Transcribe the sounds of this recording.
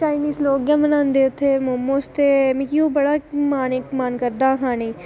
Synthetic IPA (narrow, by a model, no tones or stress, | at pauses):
t͡ʃaːɪniːzloːɡjãmənãːnd̪eːt̪ʰemomːõːst̪emĩkiobɐɽaːmaːnekmaːnkəɾd̪aːɦãːnĩ